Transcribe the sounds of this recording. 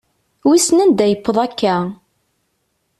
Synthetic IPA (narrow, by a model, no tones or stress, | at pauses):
wisnænd̪æjəpːəðˤækːæ